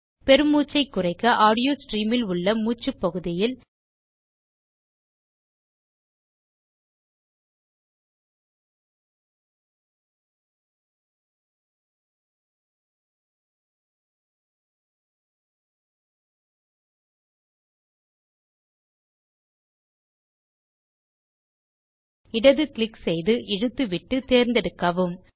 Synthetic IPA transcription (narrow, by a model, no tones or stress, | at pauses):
pɛɾɯmːuːt͡ʃːɐɪkːɯrɐɪkːɐʔaːɽɪjoːsʈriːmɪlʊɭːɐmuːt͡ʃːɯpːɐɣɯðɪjɪl | ɪɽɐðɯklɪksɛjðɯʔɪɻɯt̪ːɯʋɪʈːɯt̪eːɾnd̪ɛɽɯkːɐʋɯm